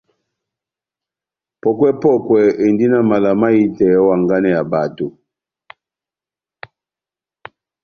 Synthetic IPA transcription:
pɔ˨kwɛ˦pɔ˦˨kwɛ˨e˨ndi˦na˨ma˨la˨ma˦i˦tɛ˨˦wa˨ŋɡa˦nɛ˨ja˨ba˨tu˨

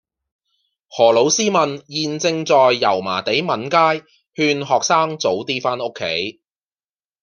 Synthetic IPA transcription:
hɔː˨˩lo˨˥wsiː˥mɐ˨njiː˨nt͡sɪ˧ŋt͡sɔː˨jːɐ̰˨˩wma̰ː˨˩t̪e˨˥jmɐ˨˥nkaː˥j | hyː˧nɦɔː˨k̚saː˥ŋt͡so˨˥wt̪iː˥faː˥nʊ˥kʰːḛ˨˥j

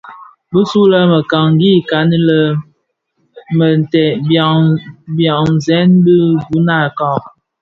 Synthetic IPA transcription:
bə˦su˦lə˦mə˨ka˨ŋ˦ɡi˦˨ka˨ni˦lə˦ | mə˨n˨tɛ˨ | bja˨ŋ˨zɛ˦nbə˦ɡu˦na˦˨ka˨

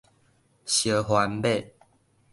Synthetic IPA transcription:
ɕjə˨˩ɦwa˨˧˦nbe˥˨

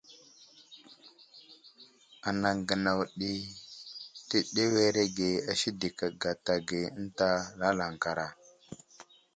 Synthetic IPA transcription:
a˨na˨ŋɡə˨na˨wɗi˦ | ti˦ɗe˦we˦ɾe˦ɡe˨a˨ʃi˦di˨ka˨ɡa˨ta˨ɡe˨ə˦n˦ta˦la˦la˨ŋ˨ka˨ɾa˨

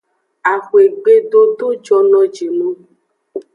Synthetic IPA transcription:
a˨xwe˨ɡ͡be˦ɖ̪o˦t̪o˦d͡ʒɔ˧nɔ̃˦d͡ʒe˨nõ˦

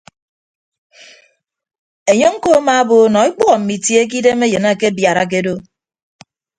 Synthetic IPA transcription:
e˨ɲo˦ŋ̩˦ko˦a˦ma˨˦bo˨˦nɔ˨i˦k͡pɔ˦ɣɔ˨m̩˨mi˨tje˦k̬i˦de˦me˦jɨ˨na˦˨ke˦bja˨ɾa̰˨k̬e˦do˦

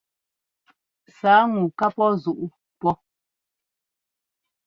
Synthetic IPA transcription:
saː˨˦ŋu˨ka˦pɔ˦zu˨ʔu˦ | pɔ˦

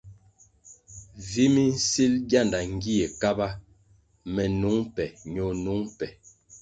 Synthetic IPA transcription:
vi˦mi˦n̩˦si˦lɡja˦˨nda˨ŋ˦ɡi˦e˨ka˦ba˦ | mɛ˨nu˨˦ŋpɛ˨ɲo˨nu˨˦ŋpɛ˨

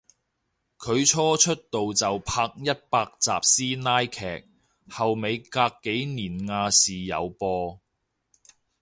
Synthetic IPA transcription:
kʰɵ˨˧ɥt͡ʃʰɔː˥t͡ʃʰɵ˥t̚t̪o˨wt͡sɐ˨wpʰaː˧k̚jɐ˥t̚paː˧k̚t͡sa̰ː˨p̚siː˥naː˥jkʰɛː˨˩k̚ | hɐ˨wme˨˧jkaː˧kːe˨˥jniː˨˩nŋaː˧siː˨˩jɐ̰˨˧wpɔː˧

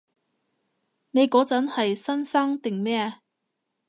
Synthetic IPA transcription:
ne˨˧jkɔː˨˥t͡sɐ˨˥nhɐ˨jsɐ˥nsaː˥ŋt̪ɪ˨ŋmɛː˥ɐ˧

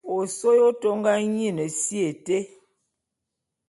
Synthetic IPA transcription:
o˨so˦jo˦to˦ŋɡa˦ɲi˦˨nə˨si˦e˨te˦

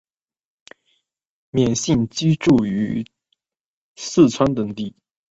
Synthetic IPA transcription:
mjɛ˨˩nɕi˥˩nt͡ɕi˥ʈ͡ʂu˥˩y˧˥ | sɹ̩˥˩t͡sʰwa˥nt̪ɤ˧˩ŋt̪i˥˩

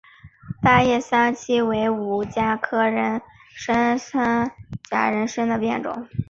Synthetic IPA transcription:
t̪a˥˧jɛ˥˩sa˥nt͡ɕʰi˥we˧˥ɪu˨˩t͡ɕja˥kʰɤ˥ɻə˧˥nʂə˥nʂa˥nt͡ɕja˥ɻə˧˥nʂə˥nd̪ə˨pjɛ˥˩nʈ͡ʂʊ̰˨˩˦ŋ

